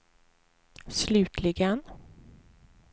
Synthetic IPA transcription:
slʉ̟ːt̪ʰlɪɡən

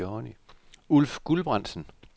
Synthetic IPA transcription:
ɒniulfɡ̥ulb̥ʁɑ̈n̰̥sn̩

